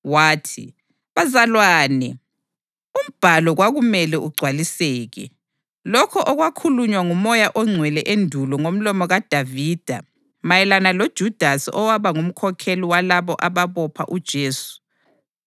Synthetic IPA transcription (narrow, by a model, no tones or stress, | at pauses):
waːtʰḭ | βazalwaːnɛ | um̩b̥ʱalɔɣwaɣumɛlɛʔuɡ͡ǀʱwalisɛːɣɛ | lɔkʰɔʔɔɣwakʰuluɲwaŋumɔjaʔɔŋ͡ǀʱwɛlɛʔendʱulɔŋom̩lɔmɔɣad̥ʱaviːd̥ʱa̰ | majɛlanalod̥ʒ̥ʱud̥ʱasɔwaβaŋum̩kʰɔkʰeliwalaβɔʔaβaβɔpʰa̰ʔud̥ʒ̥ʱeːsu̥